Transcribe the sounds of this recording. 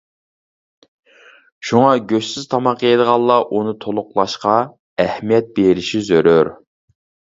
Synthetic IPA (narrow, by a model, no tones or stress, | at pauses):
ʃuŋɑɡʲøʃsɪz̥t̪ʰɑmɑqed̪əʁɑlˠːɑʔunɨt̪ʰolˠʊqlˠɑʃqɑ | ɛhmijɛt̪̚beɾɪʃizøɾøɾ